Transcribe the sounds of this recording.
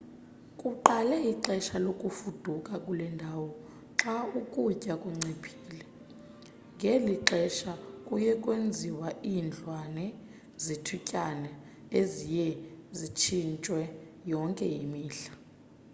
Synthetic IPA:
kʼuǃalɛiǃɛʃalokʼufud̥ʱukʼakʼulɛndʱaːwɔ | ǁaukʼucʼakʼuŋ͡ǀepʰi̥ːlɛ | ŋɡʱeliǃɛʃakʼujɛkʼwend͡zʱiwaʔind͡ɮʱwanɛ | zitʰucʼanɛ | ezijɛzit͡ʃʰint͡ʃʼwɛ | jɔŋkʼɛjimiːɬḁ

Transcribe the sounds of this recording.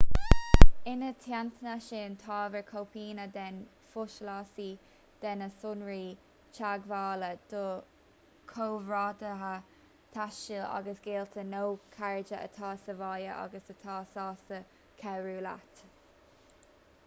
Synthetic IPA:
ɪnət̪ʰjant̪ʰənaʃeːnt̪ʰɑːvəɹkʰowpʰiːnəd̪ɛn | fʊʃlɑːsi | d̪̥ɛnəsʊnɹiː | t͡ʃʰaɡvaːləd̪̥o | kʰoːvɹɑːd̪əɦə | t̪ʰaʃila̰ɡəsɡeːlt̪ʰənowkʰaɹɪd͡ʒəʔə̰t̪ʰɑːsəvɑːjəʔɑ̰ɡəsət̪ʰɑːsɑːsə | kʰɛɹuːla̰t̪

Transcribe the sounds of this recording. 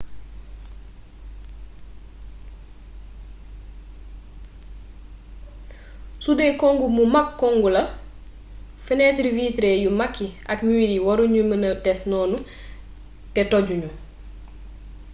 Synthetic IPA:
sudɛkɔŋɡumumakːɔŋɡulɐ | fənɛtɾiviːtɾɛjumakːiʔɐkɲuwidiwɐɾuɲumənɐtɛsnɔːnu | tɛtɔɟuɲu

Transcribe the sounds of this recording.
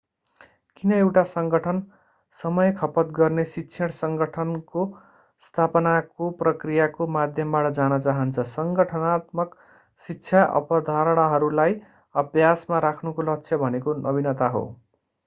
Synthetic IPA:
kinʌewʈasʌŋɡʌʈʰʌn | sʌmʌjkʰʌpʌt̪ɡʌrnesitːsʰeɽsʌŋɡʌʈʰʌnko | st̪ʰapʌnakoprʌkrijakomad̪ʱjʌmbaʈʌd͡zanʌt͡saɦʌnt͡sʰʌsʌŋɡʌʈʰʌnat̪mʌk | sikːt͡sʰjaʔʌ̰pʌd̪ʱaɾʌɽ̃aɦʌɾulaj | ʌbjasmaɾakʰnukolʌk̚t͡sʰjʌbʱʌnekonʔʌbinʌt̪aɦo̰

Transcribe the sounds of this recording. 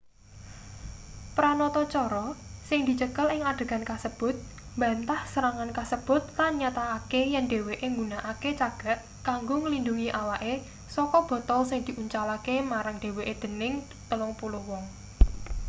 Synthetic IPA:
pɾanɔt̪ɔt͡ʃɔɾɔsɪŋd̪̥i̤t͡ʃəkəlɪŋaɖ̥ə̤ɡankasəb̥ʊ̤t̪̚ | mbaənt̪ahsəɾaŋankasəb̥ʊ̤t̪̚lanɲat̪aːkejɛnɖe̤weʔeŋɡunaʔaket͡ʃaɡ̥a̤ʔ | kaŋɡoŋəlinduŋiʔawaʔe | sɔkɔb̥ɔ̤t̪ɔlsɪŋd̪̥i̤ʔuɲt͡ʃalakemaɾaŋɖ̥e̤weʔed̪̥ə̤nɪŋ | t̪əlɔŋpuluhwɔŋ

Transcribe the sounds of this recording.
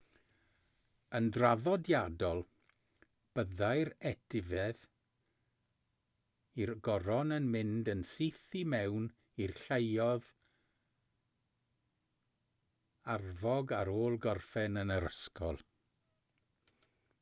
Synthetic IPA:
əndraðɔdjadɔlˠ | b̥əðajɾɛd̥ɪvɛð | irɡɔɾɔnənmɪndənsiθimɛwn | irɬejɔð | arvɔɡaɾoːlˠɡɔrfɛnənəɾəskʰɔ̰lˠ

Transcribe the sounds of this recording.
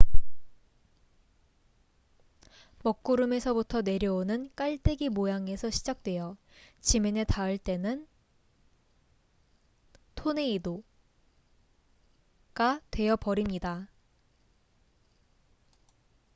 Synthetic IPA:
mʌk̚k͈uɾɯme̞sʰʌbutʰʌne̞ɾjʌonɯnk͈aɭt͈eɡimojaŋe̞sʰʌɕʰid͡ʑak̚t͈we̞jʌ | t͡ɕimene̞taɯɭt͈e̞nɯn | tʰone̞ido | ɡ̥atwe̞jʌpʌɾimɲida

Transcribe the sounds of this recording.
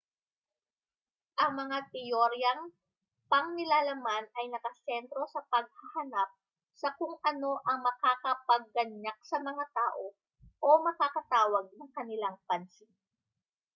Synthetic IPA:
ʔɐŋmɐŋat̪ɪjoɾjɐŋ | pɐŋnɪlaːlɐmanɐjnɐkɐsɛnt̪ɾo̞sɐpɐɡ̚hɐhɐnap̚ | sɐkʊŋʔɐno̞ʔɐŋmɐkakɐpɐɡ̚ːɐɲak̚sɐmɐŋat̪aːʔo̞ | ʔomɐkakɐt̪aːwɐɡ̚nɐŋkɐnɪlaŋpɐnsi

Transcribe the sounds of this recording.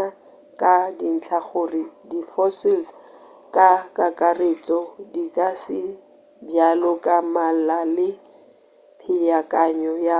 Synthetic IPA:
a | kʼadin̩t͡ɬʰaχʊridifɔsɪls | kʼakʼakʼaret͡sʼɔdikʼasɪ | bjalɔkʼamal̩lalɪ | pʰɪjakʼaɲɔja

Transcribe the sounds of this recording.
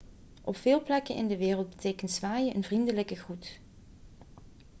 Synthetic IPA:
ʔɔpfɪːlˠplɛkənʔɪ̰ndəʋɪːrəl̚ˠbətejkəntsʋaːjəʔənvrindələkəɣrut

